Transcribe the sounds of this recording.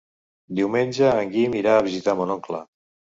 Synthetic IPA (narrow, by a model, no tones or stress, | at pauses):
d̪iwmenʲd͡ʒəːŋɡimiɾaːβizit̪amonɔŋklə̰